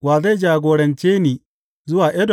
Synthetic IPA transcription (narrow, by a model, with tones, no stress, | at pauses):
waː˨za˦jd͡ʒaː˨ɡʷoː˨ɽɐ˨nt͡ʃeː˦niː˦ | zʊ˦waː˨ʔɛ˦d